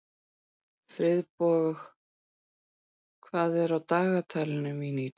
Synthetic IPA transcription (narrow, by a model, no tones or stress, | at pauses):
fɾɪðpɔːɣʏx | kʰvaːðɛɾawt̪aːɣat̪ʰajlɪnʏmini